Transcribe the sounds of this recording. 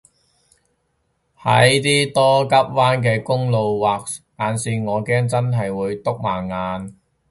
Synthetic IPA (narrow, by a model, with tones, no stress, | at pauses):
hɐ̰˨˥jt̪iː˥t̪ɔː˥kɐ˥p̚waː˥nkɛː˧kʊ˥ŋlo˨˧wwaː˨k̚ | aː˨nsiː˧ŋɔː˨˧kɛː˥ŋt͡sɐ˥nɦɐ˨jwuː˨˧jt̪ʊ˥k̚maː˨˩ŋaː˨˧n